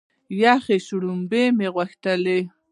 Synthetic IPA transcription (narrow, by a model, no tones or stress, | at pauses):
jaχeʃʊɽʊmbemeɣwaxt̪ale